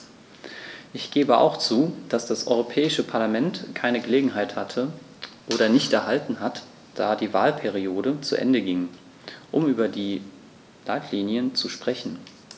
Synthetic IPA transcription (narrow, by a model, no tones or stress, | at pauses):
ʔɪçɡ̥eːbəʔa̰ʊxt͡suːd̥asd̥asʔɔ̰ʏʁopʰɛːɪʃəpʰaɐlamɛntkʰaɪnəɡəleːɡŋ̩ɦaɪthatʰə | ʔoːɾɐnɪçtɛɐɦaltn̩ɦat | d̥aːdiːvaːlpʰɛʁ̞ioːdət͡sṵʔɛ̰ndəɡɪŋ | ʔʊmyːbɐdiː | laɪtʰliːnjənt͡suʃpʁ̥ɛçn̩